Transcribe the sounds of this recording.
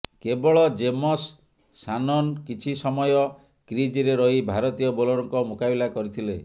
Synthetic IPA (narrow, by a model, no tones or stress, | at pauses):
kebɔɭɔd͡ʒemɔsː | anɔnkit͡ʃʰisɔmɔjɔ | kɾid͡ʒiɾeɾɔɦibʱaɾɔt̪ijɔbɔlɔɾɔŋkɔmukabilakɔɾit̪ʰilḛ